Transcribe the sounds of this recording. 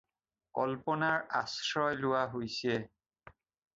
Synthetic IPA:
kɔlpɔnaɹasɹɔjlʊwaɦojsɛ

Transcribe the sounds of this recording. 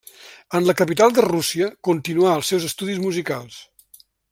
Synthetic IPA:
ənləkəpit̪alˠd̪ərusiəkunt̪inuaəlˠsːɛwzəst̪uðizmuzikalˠs

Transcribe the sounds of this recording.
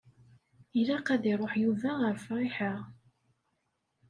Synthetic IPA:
ilæqæðiɾˤoħjuvæʁəɾfɾˤɪħəʁ

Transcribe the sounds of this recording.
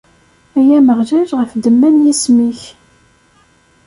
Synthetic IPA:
æjæməʁʒæʒʁəfd̪əmːænjismiç

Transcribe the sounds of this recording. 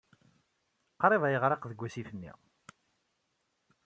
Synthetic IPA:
qɾˤeðæjəʁɾˤeqðəɡʷːæsifənːḭ

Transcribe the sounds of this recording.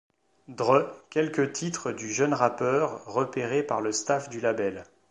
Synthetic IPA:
d̪ʁøkʲɛlkʲət̪ʰit̪χəd̪yʒənʁapœʁːəpeʁepaʁləst̪afd̪ylabɛl

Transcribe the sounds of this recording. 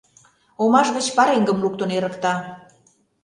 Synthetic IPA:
omɑʃɣət͡ɕpɑɾeŋɡə̆mluk̚t̪ŏneɾə̆kt̪ɑ

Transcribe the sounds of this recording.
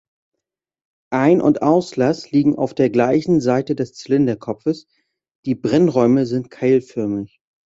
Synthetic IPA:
ʔaɪnʔʊ̰ntʔaʊslasliːɡŋ̩a̰ʊfd̥eːɐɡlaɪçn̩zaɪtədɛst͡sɪlɪndɐkʰɔpfəs | d̥iːbʁɛnʁɔʏməzɪnt̚kʰaɪlfœɐmɪç

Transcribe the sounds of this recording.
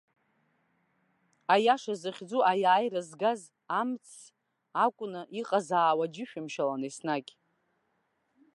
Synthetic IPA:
ajaʂazɨχʲd͡zuʔajaːjrazɡaz | amt͡sʰ | akʷʼʊnɨʔiqʼazaːwad͡ʒɪʃᶣamʃalanesnakʲʼ

